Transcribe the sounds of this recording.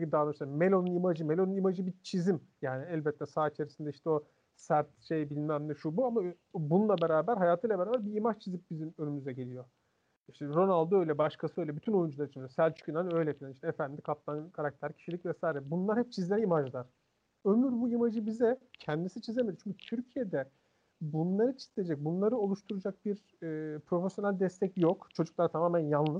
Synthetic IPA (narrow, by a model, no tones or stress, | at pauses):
id̪aːd̪ˠɾʃsamelʲo̞nunimad͡ʒɯme̞lʲo̞nunimad͡ʒɯbit͡ʃʰizimjaːniɛlʲbɛt̪ʰːɛsaːit͡ʃʰe̞ɾisind̪ɛiʃt̪ʰɛo̞ | sæɾt̪ʃejbilʲmæmd̪ɛʃubuama | bununlˠabe̞ɾaːbæɾɦajaːt̪ʰɯjlˠabɾaːbæɾbiimat͡ʃt͡ʃʰizip̚bizimønymyzɛɟe̞lʲijo̞ | iʃt̪ʰɛɾo̞nalˠd̪oø̞jlʲɛbaʃkʰasɯø̞jlʲɛbyt̪ʰyno̞jund͡ʒulˠaɾɯit͡ʃʰind̪ijosælʲt͡ʃʰy̥kʰynaɾnø̞jlʲɛfilʲɛniʃt̪ɛefænd̪ikʰap̚t̪ʰanɯkʰaɾak̚t̪ʰæɾcʰi̥ʃilʲicʲvɛsaːiɾɛbunlˠaɾhɛp̚t͡ʃʰizlʲeɛimad͡ʒlˠaɾ̥ | ømylʲyɾbuimad͡ʒɯbizɛcʰɛnd̪isinit͡ʃʰizʲeme̞d̪iɾt͡ʃʰyɲcʰyt̪ʰyɾcʰije̞d̪ɛ | bunlˠaɾɯt͡ʃʰi̥z̥lʲeed͡ʒɛc̚bunlˠaɾɯo̞lˠuʃt̪ʰuɾud͡ʒak̚biɾː | pʰɾo̞fesjo̞nælʲd̪ɛst̪ʰɛcjokt͡ʃʰo̞d͡ʒuk̚lˠaɾat̪ʰamaːmænjalˠnɯz̥